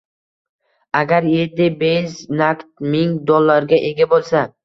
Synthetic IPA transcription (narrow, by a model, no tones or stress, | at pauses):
aɡʲaɾje̞ɾd̪ɪbejznakt̪̚mɪŋd̪ɔlˠːaɾɡʲaʔe̞ɡʲabolˠsa